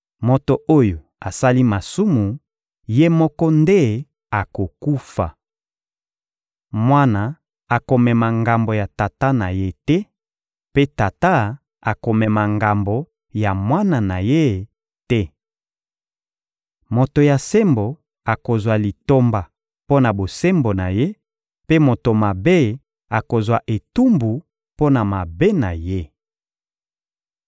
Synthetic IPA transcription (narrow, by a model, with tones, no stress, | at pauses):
mo˨to˨ʔo˦jo˨ | a˨sa˦li˦ma˨su˦mu˨ | je˦mɔ˦kɔ˦nde˦ | a˨ko˨ku˦fa̰˨ | mwa˦na˨ | a˨ko˨mɛ˨ma˨ŋɡa˨mbo˨ja˨ta˨ta˦na˨je˦tɛ˦ | pe˦ta˨ta˦ | a˨ko˨mɛ˨ma˨ŋɡa˨mbo˨ | ja˨mwa˦na˨na˨je˦ | tɛ˦ | mo˨to˨ja˨se˦mbo˨ | a˨ko˨zwa˨li˨to˦mba˨ | po˦na˨bo˨se˦mbo˨na˨je˦ | pe˦mo˨to˨ma˨be˦ | a˨ko˨zwa˨ʔe˨tu˦mbu˨ | po˦na˨ma˨be˦na̰˨je˦